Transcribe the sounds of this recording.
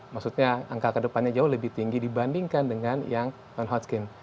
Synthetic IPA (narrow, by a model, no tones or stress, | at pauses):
maksut̪ɲaaŋkakədəpanɲad͡ʒaʊhləbɪht̪iŋɡidibandiŋkandəŋanjaŋ | nɔnɦɔt̪̚kɪn